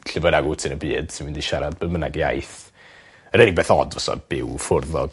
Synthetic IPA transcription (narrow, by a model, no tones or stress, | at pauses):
ɬɪvɔɾaɡutʰɨnəbɨːd̥simɨndiʃaɾad̚bəmənaɡja̰jθ | əɾənɪɡ̚beːθɔdvɔsɔ̰b̥ɪwfʊrðɔ̰ɡ